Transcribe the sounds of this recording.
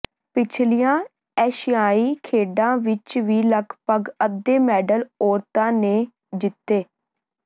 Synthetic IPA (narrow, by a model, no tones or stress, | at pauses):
pɪt͡ʃʰlijãː | ɛːʃijaːiːkʰeːɖãːʋɪt͡ʃʋiːləɡpəɡəd̪eːmɛːɖəlɔːɾt̪ãːneː | d͡ʒɪt̪ːeː